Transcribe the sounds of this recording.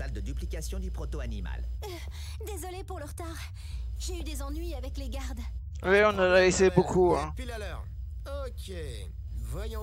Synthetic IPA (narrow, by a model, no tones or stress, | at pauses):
ald̪əd̪yplikasjɔ̃d̪ypχɔt̪oanima̰l | d̪ezɔlepuʁləʁt̪aːʁ | ʒeyd̪ezɑ̃nɥiavɛkleɡaʁd̪ | wiɔ̃nalaesebokʰuɛ̃t̪ylalœːʁ | okʲe | vwajɔ̃